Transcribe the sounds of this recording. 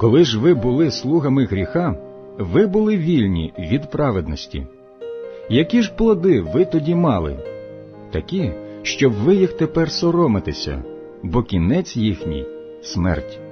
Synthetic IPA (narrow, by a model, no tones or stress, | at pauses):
kɔlˠɪʒʋɪbʊlˠɪslˠuɦɐmɪɦɾʲixɑ | ʋɪbʊlˠɪʋʲilʲnʲḭʋʲid̪pɾɑʋed̪nɔsʲtʲḭ | jɐkʲiʒplˠɔd̪ɪʋɪt̪ɔdʲimɑlˠɪ̰ | t̪ɐkʲiʃt͡ʃɔbʋɪjixt̪epɛrsɔɾɔmɪt̪ɪsʲɐ̰ | bɔkʲinɛt͡sʲjixnʲḭj | smɛ̰rtʲ